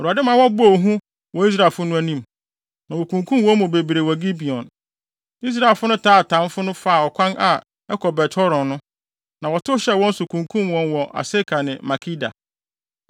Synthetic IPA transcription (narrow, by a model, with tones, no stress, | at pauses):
o˨ɾu˨a˨dɪ˦mãː˨˦wɔ˦bu˦o˨ɦũ˦ | wɔ˨i˦s̬ɾa˨fʊ˦nʊ̃˦æ˦nĩ˦˨m | nã˨wɔ˨kʰũ˨ŋkʰũ˦m˦wɔ̃˦mũ˨be˨bi˨ɾe˨wɔ˨ɡi˦bi˨ɔ̃˨n | i˦s̬ɾa˨e˨lfʊ˦nʊ̃˦tʰaː˦˨tʰã˨˦m˦fʊ˦nʊ̃˦fa˦˨ɔ˨kʷʰã˦nʔa̰˨ | ɛ˦kʰɔ˨bɛ˨tʰɔ˦ɾɔ̃˨nʊ̃˦ | nã˨wɔ˨tʊ˦ɕɛ˦wɔ̃˦n̩˦sʊ˨kʰũ˨ŋkʰũ˦mwɔ̃˦nwɔ˨ʔa̰˨se˦kʰa˨nɪ̃˨ma˨kʰi˦da̰˨